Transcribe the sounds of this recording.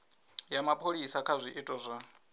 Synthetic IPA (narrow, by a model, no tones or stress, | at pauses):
jamapʰʼoɺisakʰazʷiʔitʼɔzʷa